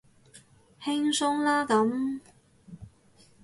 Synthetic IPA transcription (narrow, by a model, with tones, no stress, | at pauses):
hɪ˥ŋsʊ˥ŋlaː˥kɐ˨˥m